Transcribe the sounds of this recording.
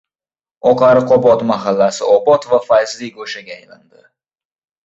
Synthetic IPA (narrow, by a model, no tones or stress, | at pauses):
ɒqɑɾɪqʰɒbɒt̪maɦalːasɪɒbɒt̪vafajzliɡoʃaɡʲaːjland̪ɪ